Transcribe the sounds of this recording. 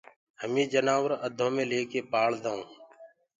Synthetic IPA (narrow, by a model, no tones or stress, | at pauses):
həmĩːd͡ʒənaːʋəɾəd̪ʱõːmẽːleːkeːpaːɭd̪aːũː